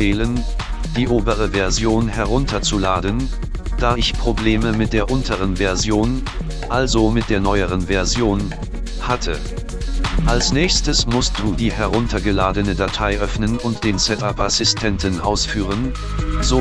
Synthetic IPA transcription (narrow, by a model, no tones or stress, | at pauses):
ɛːlən | d̥iːʔoːbəʁ̞əvɛɐzjoːnɦɛɐʁʊntɐt͡sulaːdən | d̥aːɪçpʁ̥obleːməmɪt̚d̥eːɐʔʊntʰəʁ̞ənvɛɐzjoːn | ʔalzomɪt̚d̥eːɐnɔʏəʁ̞ənvɛɐzjoːn | hatʰə | ʔalsnɛːçstəsmʊst̚d̥uːdiːɦɛʁʊntʰɐɡəlaːdənədatʰaɪʔœfnənʊntd̥eːnt͡sɛtapʔasɪstʰɛntnʔaʊsfyːʁ̞ən | zo